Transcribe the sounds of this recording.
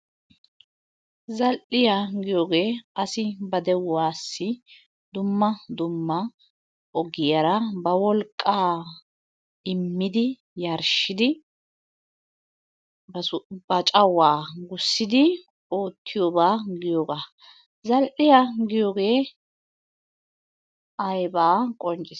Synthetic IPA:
zɐlʔɪjaɡɪjo̞ːɡe̞ːʔɐsɪbɐd̪ɛwːaːsːɪ | d̪ʊmːɐd̪ʊmːɐ | ʔɔɡɪjɐɾɐbɐwɔlkʼːaː | ɪmːɪd̪ɪ | jɐɾʃɪd̪ɪ | bɐbɐt͡ʃʼɐwaːɡʊsːɪd̪ɪ | o̞ːt̪ʰːɪjoːbaːɡɪjoːɡaː | zɐlʔɪjaɡɪjo̞ːɡe̞ː | ʔɐjbaːkʼɔnt͡ʃʼɪs

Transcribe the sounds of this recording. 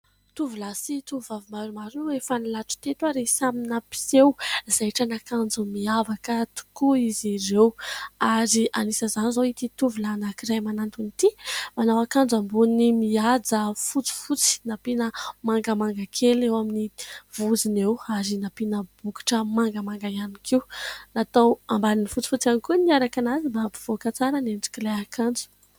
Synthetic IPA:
t̪uvulasit̪uvavimaɾumaɾnwefanilaʈ͡ʂu̥t̪et̪waɾesaminapi̥sewzajʈ͡ʂanakand͡zumiavakət̪u̥kuiziɾewaɾiʔanisəzanizoit̪it̪uvulanakiɾajmanant̪unit̪imanawakand͡zambunimiad͡zəfut͡si̥fut͡si̥napinəmaŋɡəmaŋɡakʰelewaminiv̥uzinewaɾinapinəb̥uki̥ʈ͡ʂəmaŋɡəmaŋɡajanikʰiwnat̪awambaninifut͡si̥fut͡sanikuniaɾakanazimbapi̥v̥okət͡saɾənend͡zi̥kileakʰand͡zu̥

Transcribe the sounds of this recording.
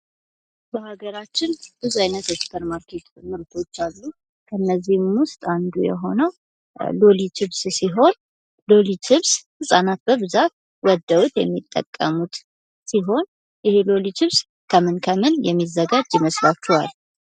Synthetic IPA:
bəhaɡəɾat͡ʃːɪnb̥ɨzuajnət̪ekspʰəɾmaɾkʰe̞t̪mɨɾt̪ʰo̞t͡ʃːalːu | kʰəɨnːəzːihmʊst̪ʼand̪ujɛ̰ɦo̞nəw | lolit͡ʃɨβssiɦo̞n | lo̞lit͡ʃʰɨβshɨsʼanat̪̚bəβɨzat̪̚ | wɔd̪ːəwut̪jɛmːit̪ʼːə̰kʼːəmut̪ | siɦo̞n | jɪhelolit͡ʃʰɨβs | kʰəmɨnkʰəmɨnjɛmːizːəɡad͡ʒjɪməslat͡ʃːɛwa̰l

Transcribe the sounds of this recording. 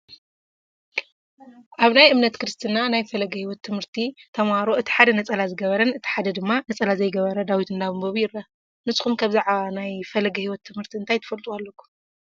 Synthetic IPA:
ʔaβnajʔɨmnɐt̪kɨɾɨst̪ʰɨnanajfɐlɐɡɐhiwɔt̪ʰːɨmhɨɾt̪ʰit̪ʰɐmaɾoʔɨt̪ʰi̥ħad̪ɐnɐt͡sʼɐlazɨɡɐβɐɾɐnɨt̪ʰi̥ħad̪ɐd̪ɨmːanɐt͡sʼɐlazɐjɡɐβɐɾɐd̪awit̪ʰɨnd̪aβɨmboβjɪɾːɐ | nɨsɨxumkʰaβzaʕaβanajfɐlɐɡɐhiwɔt̪ʰːɨmhɨɾt̪ʰiɨnt̪ʰajt̪ʰɨ̥fɐlt̪ʼualːɐkʰːu̥m

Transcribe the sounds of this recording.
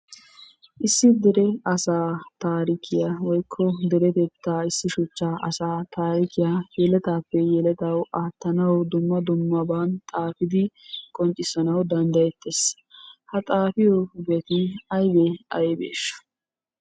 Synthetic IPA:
ʔɪsːɪd̪ɛɾɛɐsaːt̪aːɾɪkʰɪjawɔjkʰːɔd̪ɛɾɛt̪et̪ːaːɪsːɪʃʊt͡ʃːaːɐsaːt̪aːɾɪkɪjaːjɛlɛt̪aːpːɛjɛlɛt̪ɐwʔaːt̪ːɐnɐwd̪ʊmːɐd̪ʊmːɐbaːnt̪ʼaːfɪd̪ɪkʼɔnt͡ʃʼːɪsɐnɐwd̪ɐnd̪ɐjɛt̪ːes | hɐt̪ʼaːfɪjɔbeːt̪ɪɐjbeɐ̰jbḛːʃɐ̥

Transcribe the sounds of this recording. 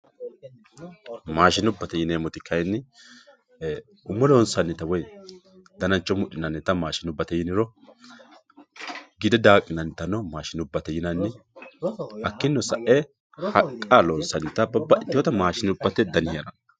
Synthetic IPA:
maːʃɪnʊbːɐt̪ɛjɪneːmɔt̪ɪkʰːɐjnːɪ | ʊmːɔlɔːnsɐnːɪt̪ɐwɔj | d̪ɐnɐnt͡ʃːɔmʊɗɪnɐnːɪt̪ɐmaːʃɪnʊbːɐt̪ɛjɪnɪɾɔ | ɡɪd̪ɛd̪aːkʼːɪnɐnt̪ɐnɔmaːʃɪnʊbːɐt̪ɛjɪnɐnːɪ | ɐkːɪnːɔsɐʔɛ | hɐkʼːalɔːnsɐnːɪt̪ɐbɐbːɐʔɪt̪ːɪwɔt̪ɐmaːʃɪnʊbːɐt̪ɛd̪ɐnɪjɐnɐ

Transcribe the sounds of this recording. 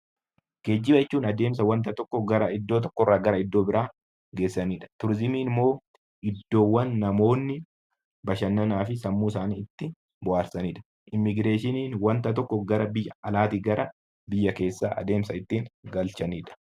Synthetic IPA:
ɡ̥eːd͡ʒːɪbɐɪt͡ʃːuːnɐd̪e̞ːms̬ɐwɐnt̪ɐt̪ɔkːɔɡɐɾɐɪd̪ːo̞ːt̪̬ɔ̥kːɔrːaːɡɐɾɐɪd̪ːo̞ːbɪɾʔaː | ɡe̞ːsːɐniːᶑɐ̥t̪ʊɾɪzɪmiːmːo̞ː | ʔɪd̪ːo̞ːwːɐnːɐmo̞ːnːɪ | bɐʃɐnːɐnaːfɪsɐmːuːs̬aːniːɪt̪ːɪ | bʊʔaːɾsɐniːᶑɐ̥ | ʔɪmːɪɡɾeːʃɪniːnwɐnt̪ɐt̪ɔkːɔɡɐɾɐbɪjːɐɐlaːt̪iɡɐɾɐ | bɪjːɐke̞ːsːaːʔɐ̰d̪eːmsɐɪt̪ːiːŋɡɐlt͡ʃɐniːᶑɐ̥

